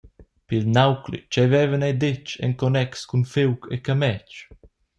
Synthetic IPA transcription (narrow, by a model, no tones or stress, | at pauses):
pilnawklḭt͡ʃɛvɛːvənajd̪et͡ʃɛ̰ŋkɔnɛkskunfewkekamɛt͡ʃ